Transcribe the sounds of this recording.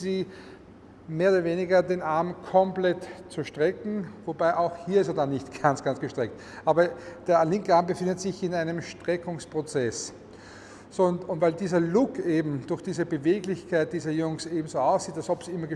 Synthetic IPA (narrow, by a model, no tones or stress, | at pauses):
ziː | meːɐʊdɐveːnɪɡɐdeːnʔaɐmkʰɔmplɛtt͡suʃtʁ̥ɛkŋ̩vobaɪʔaʊxhiːɐɪstɐdanɪçtɡ̥ant͡sɡ̥ant͡sɡ̥əʃtʁ̥ɛk̚t | ʔaːbɐd̥eːɐlɪŋkəaːɐmbəfɪ̃ndətz̥ɪçɪnæɪnəmʃtʁ̥ɛkʊŋspʁ̥ot͡sɛs | sontʊntvæɪldiːzɐlʊkʰeːbm̩d̥ʊɐxd̥iːzəbəveːɡlɪçkʰaɪt̚d̥iːzɐjʊŋseːbm̩zoːaʊsiːtalsɔpsiɪmːɐɡə